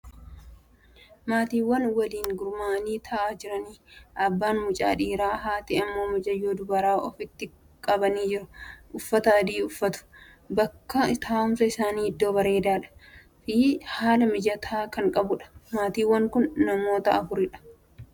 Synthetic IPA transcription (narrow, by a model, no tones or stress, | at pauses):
maːt̪iːwːɐnwɐliːŋɡʊɾmaːniːt̪ʰɐʔaːd͡ʒɪɾɐniːʔɐbːaːnmʊt͡ʃʼa̰ːᶑiːɾaːɦaːt̪ɪɐmːo̞ːmɪd͡ʒɐjoːd̪ʊbɐɾaːʔɔfɪt̪ːɪ | kʼɐbɐniːd͡ʒɪɾʊ̥ʔʊfːɐt̪aːd̪iːʊfːɐt̪ʊ̥ | bɐkːɐt̪aːʊmsɐɪsaːniːhɪd̪ːo̞ːbɐɾeːd̪aːᶑɐ̥ | fiːhaːlɐmɪd͡ʒɐt̪ʰaːkɐŋkʼɐbʊᶑɐ̥maːt̪iːwːɐŋkʊnːɐmo̞ːt̪ɐɐfʊɾɪᶑɐ̥